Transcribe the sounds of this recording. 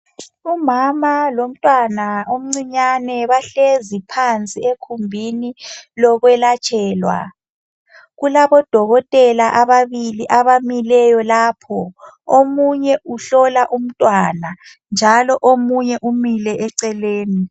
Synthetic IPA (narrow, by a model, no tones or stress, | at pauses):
umamalom̩tʼwanaom̩ŋ͡ǀiɲanɛβaɬezipʰant͡sʼiekʰumbʱinilɔɣwɛlat͡ʃʰʼɛːlwa̰ | ɣulaβɔd̥ʱɔɣɔtʼɛlaʔaβaβiliʔaβamilɛjɔlaːpʰɔ | omuɲɛʔuɬɔlaʔum̩tʼwana | nd͡ʒʱalɔʔomuɲɛʔumilɛʔɛǀɛleːni